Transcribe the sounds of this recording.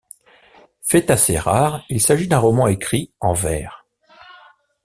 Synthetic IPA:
fɛt̪aseʁaːʁilsaʒid̪ɛ̃ʁɔmɑ̃ekχiɑ̃vɛ̰ːʁ

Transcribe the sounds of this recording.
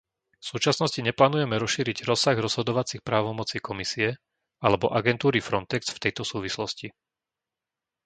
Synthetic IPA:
fsuːt͡ʃasnɔsciɲɛplaːnujɛmɛɾɔsʃiːɾiɟɾɔsaɣɾɔz̥ɦɔd̪ɔʋat͡sixpɾaːʋɔmɔt͡sikɔmisiɛ | alɛbɔʔaɡɛnt̪uːɾifɾɔnt̪ɛksft̪ɛjt̪ɔsuːʋislɔsci

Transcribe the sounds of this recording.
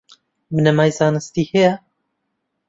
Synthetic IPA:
mɨnɛmaːjzɑːnɨst̪iːhejɛ

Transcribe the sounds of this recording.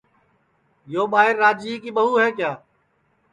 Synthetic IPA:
joːɓaːɪɾːaːd͡ʒiːkiːɓəɦuːɦɛ̃ːkjaː

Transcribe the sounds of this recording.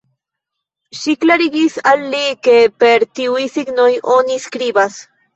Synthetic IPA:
ʃiklaɾiɡisalːikepeɾt̪iwisiɡnojoniskɾibas

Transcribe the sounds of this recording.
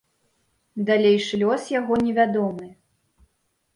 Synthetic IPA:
d̪alʲejʂlʲɔsjaɣɔnʲɛvʲad̪ɔmɨ

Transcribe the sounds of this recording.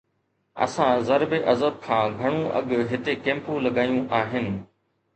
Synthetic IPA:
ɐ̰sãzɐɾbeʔɐzəb̚kʰãːɡʱɐɽ̃ũʔɐ̰ɠɦɪt̪ekẽːmpũlɐɠaːjũʔaːɦɪnɪ̆

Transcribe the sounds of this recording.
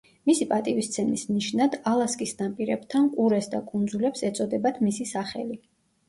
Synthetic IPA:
misipʼat̪ʼivist̪sʰɛnisniʃnad̪alˠaskʼisd̪anpʼiɾɛbt̪ʰankʼuɾɛsd̪akʼund̪zulɛpsɛt̪sʼɔd̪ɛbad̪ʰmisisaχɛ̰li

